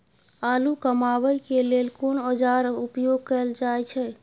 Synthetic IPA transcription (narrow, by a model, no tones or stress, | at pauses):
alukəmaʋəjkelelkonəd͡ʒaɾupjoɡ̚kəld͡ʒaɛt͡ʃʰɛ